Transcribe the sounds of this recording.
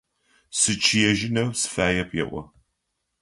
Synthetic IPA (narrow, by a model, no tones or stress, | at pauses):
sɨt͡ʃʰijɛʒɪnɐwsɨ̥faːjɛpʰjɛ̰ʔʷɔ̰